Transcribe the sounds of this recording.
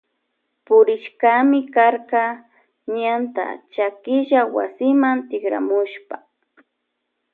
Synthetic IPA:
pʊɾɪʃkamɪkaɾkɑ | ɲant̪a̰t͡ʃakɪʒawa̰sɪmant̪ɪkɾa̰mʊʃpa

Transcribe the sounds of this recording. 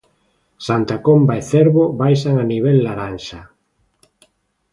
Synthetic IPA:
sant̪akombaeθeɾβoβajsaŋaniβ̞elːaɾanʃa

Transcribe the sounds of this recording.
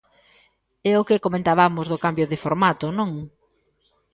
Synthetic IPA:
ɛʊkɪkomẽnt̪aβamʊzðʊkambjʊðɪfoɾmat̪ʊnõŋ

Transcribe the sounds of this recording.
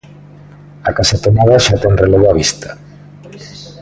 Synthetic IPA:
akasat̪omaðaʃat̪ɛŋreloβoaβist̪ʰḁ

